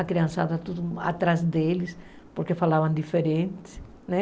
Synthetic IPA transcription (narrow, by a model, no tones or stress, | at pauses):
akɾiãnsaðɐt̪uðua̰t̪ɾazd̪elɪs | poɾkefalaβãnd̪ifeɾẽnt̪ɪ̥ | nɛ